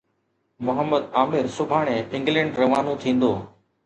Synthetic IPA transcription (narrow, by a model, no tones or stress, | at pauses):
mʊɦəmːəd̪aːmɪɾsʊbʱaːɳ̃ẽːɪ̃ŋɡlɛ̃ːɳɖɾɐʋaːnũːt̪ʰĩːn̆d̪oː